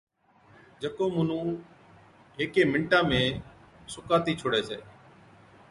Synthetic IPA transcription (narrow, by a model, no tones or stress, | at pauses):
d͡ʒəkoːmʊn̤ũː | ɦeːkeːmɪɳʈãːmẽːsʊkaːt̪iːt͡ʃʰoːɽeːseː